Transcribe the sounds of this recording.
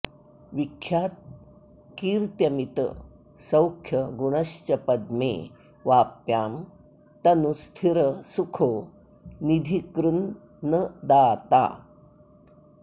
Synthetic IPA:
ʋikʰjaːt̪̚ | kiːɾt̪jɐmit̪ə̰ | sɐwkʰjɐɡuɳ̃ɐɕt͡ɕɐpɐd̪mḛː | ʋaːpjaːm | t̪ɐnust̪ʰiɾəsukʰoː | nid̪ʱikɾunː | əd̪aːt̪a̰

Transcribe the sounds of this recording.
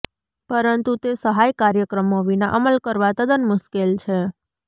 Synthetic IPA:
pəɾənt̪ut̪esəɦajkaɾjəkɾəmoʋinaʔəməlkəɾʋat̪əd̪ənmʊʃkelt͡ʃʰe

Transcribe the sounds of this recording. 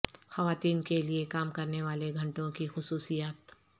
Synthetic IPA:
xɐʋaːt̪iːnkeliekaːmkɐɾneʋaːleɡʱɐ̃ɳʈõkixʊsuːsijaːt̪

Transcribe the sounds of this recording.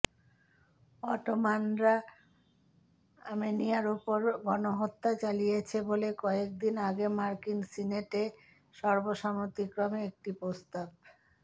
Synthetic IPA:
ɔʈomanɾa | amenijaɾupoɾɡɔnoɦot̪ːat͡ɕalijet͡ɕʰebolekɔek̚d̪inaɡemaɾkinsineʈe | ʃɔɾboʃamot̪ikɾomeek̚ʈipɾost̪ab̚

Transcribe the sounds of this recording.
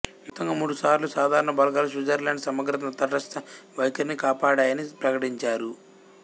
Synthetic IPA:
mut̪ːɐŋɡaːmuːɽusaːɾlusaːd̪ʱaːɾɐɳɐbɐlɡaːlus̬iːd͡ʒɐɾlaːɳɖsɐmɐɡɾɐt̪ɐnt̪ɐʈɐst̪ɐʋɐjkɐɾnikaːpaːɽaːjɐnipɾɐkɐʈiɲt͡ʃaːɾu

